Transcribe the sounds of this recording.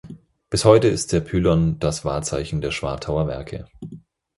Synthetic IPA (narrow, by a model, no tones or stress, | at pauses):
b̥ɪshɔʏtəɪst̚d̥eːɐpʰyːlɔnd̥asv̥aːɐt͡sa̰ɪçn̩deːɐʃv̥a̰ɐtʰaʊɐvɛ̰ɐkʰə̰